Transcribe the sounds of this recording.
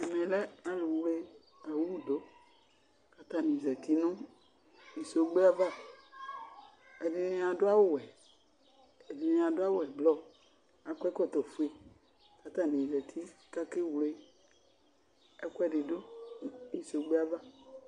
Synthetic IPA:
ɛ˨mɛ̃˨lɛ˦nã˦lu˨wle˦ | a˨wu˦wu˨do˨˦ | ka˨t̪ã˦nĩ˨zɛ˨t̪i˦nɔ̃˦ | ji˨so˨˦ɡ͡be˦a˦va˦ | e˨di˨nẽ˨˦ã˨do˦a˦wo˦˨ɛ˨ | ɛ˨di˨nẽ˨ã˨do˦a˦wo˦˨ɛ˨blɔ˦ | ã˨kɛ˦kɔ˦t̪ɔ˨fu˦e˨ | ka˨t̪a˦nĩ˨zɛ˨t̪ʰi˦ka˦ke˦wle˦ | ɛ˦kʷɛ˦ɖe˨do˦i˨so˨ɡ͡be˦a˦va˦

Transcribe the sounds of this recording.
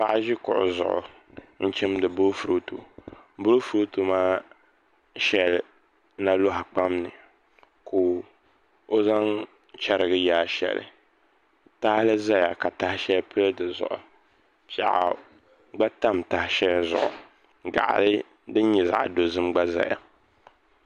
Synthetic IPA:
pa˦ʔʒɪ˦kʊ̰˨ʔʊ̰˨zʊ̰˨ʔʊ̰˨ | n̩˦t͡ʃɛ˦mdɨ˨bʊ˦fu˦ɾo˦tṵ˨bʊ˦ɾfu˦ɾo˦tu˨maː˦ | ʃɛ˨˦l | na˦lo˦ɦa˨k͡pa˦mnɨ˨ | kʰo˨ | o˦za˦ŋ | t͡ʃɛ˦ɾɨ˨ɡɨ˦jaː˨˦ʃɛ̰˨lɨ̰˨ | ta˦hɪ˦lɨ˦za˦ja˨ka˨ta˦hɪ˦ʃɛ˦lpɨ˦ldɨ˨zʊ̰˨ʔʊ̰˨ | pa̰˨ʔa̰˨ | ɡ͡ba˦ta˦mta˨hɪ˦ʃɛ˦lzʊ̰˨ʔʊ̰˨ | ɡa̰˨ʔa̰˨lɨ˦ | dɨ˦n˦ɲɛ˨za̰˨ʔdo˨zɨ˦mɡ͡ba˦za̰˨ja̰˨

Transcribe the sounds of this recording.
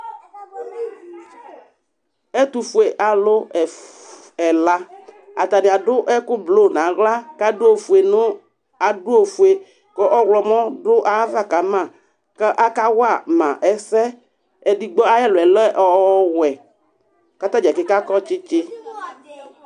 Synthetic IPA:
ɛ˦t̪u˨fu˨e˨ʔa˨lʊ˦ɛ˨ | ɛ˨la˦a˨t̪a˨nɪ˨a˨dʊ˦ʔɛ˦kʊ˦blo˦˨nã˨ɣla˦ka˦dʊ˦o˨fu˨e˨nʊ̃˦ | a˨dʊ˦o˨fu˨e˨ | kɔ˦ʔɔ˦ɣlɔ˨mɔ̃˦dʊ˦ʔa˦va˦˨ka˨˦mã˦˨ | kɛ˦ʔa˦ka˦wa˦˨mã˨ʔɛ˨sɛ˦ | ɛ˨di˨ɡ͡bɔ˦a˦jɛ˦lʊ˨ɛ˨lɛ˦ʔɔ˦wɛ˨ | ka˦t̪ã˦d͡ʒɛ˨kɪ˦ka˦kɔ˦t͡ʃɪ˦t͡ʃɪ˦

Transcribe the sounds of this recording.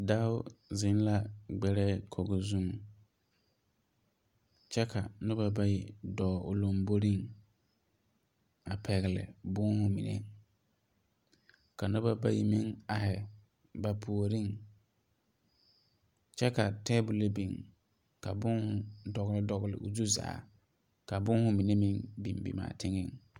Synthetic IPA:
da˦ʊ˦zɪ˦n˦la˦ɡ͡bɛ˨ɾɛː˦kʰɔ˨ɡɔ˨zu˦ŋ | t͡ʃɛ˦kʰa˨nʊ˦ba˨ba˦ji˨dɔː˨ʊ˨lo˨mbo˦ɾi˦˨ŋ | a˨pʰɛ˨ɣɪ˨lɪ̰˨bʊ˦ŋhʊ˨mi˨nḛ˦ | ka˨nʊ˦ba˨ba˦ji˨mi˦ŋa˨hɪ˨ | ba˨pʰu˨o˨ɾi˦ŋ | t͡ʃɛ˦ka˨tɛ˦bu˨le˦bi˨ŋ | ka˨bʊ˦ŋhʊ˨dɔ˨ɣɪ˨lɪ˦dɔ˨ɣɪ˨lɪ̰˨ʔʊ˨zu˦za̰ː˨˦ | ka˨bʊ˦ŋhʊ˦mi˨ne˦mi˦ŋbḭ˨mbḭ˨ma̰ː˨tʰɪ˦ŋɪ˦˨ŋ

